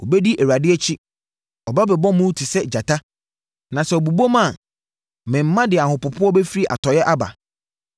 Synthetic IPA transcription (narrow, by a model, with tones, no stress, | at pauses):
ɔ˨be˦di˦ʔe˨ɾa˨dɪ˦ɛ˦t͡ɕʰi˦ | ɔ˨ba˦bɛ˨bɔ̃˦mũ˦tʰi˨sɛ˦d͡ʑa˨tʰa˦ | nã˨sɛ˨ɔ˨bu˨bo˦mã˦˨ | mɛ̃˨m̩˦mã˦dɪ˨a˨hʊ̃˨pʊ˨pʰʊ˦ɔ˦be˦fi˦ɾi˦ʔa̰˨tʰɔ˨jɛ˦ʔa˦ba̰˨